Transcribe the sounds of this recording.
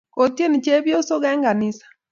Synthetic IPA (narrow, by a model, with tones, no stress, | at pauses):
ko˨tje˦ni˨t͡ʃe˦bjo˦so˦ɣɛ˦ŋɡa˨nɪ˦sḁ˨